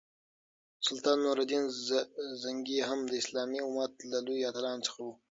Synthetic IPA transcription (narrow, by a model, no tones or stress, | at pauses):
sʊlt̪ɑːnːoɾad̪in | zaŋɡiɦamd̪əɪslɑːmiumat̪lalujɑːt̪alɑnt͡sə̥xawu